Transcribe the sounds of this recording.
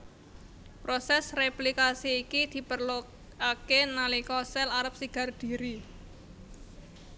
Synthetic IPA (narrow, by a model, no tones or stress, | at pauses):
pɾosɛsreplikasiːkid̪̥i̤pərlu | akenalikɔsɛlaɾəp̚siɡ̥a̤rd̪̥i̤ɾi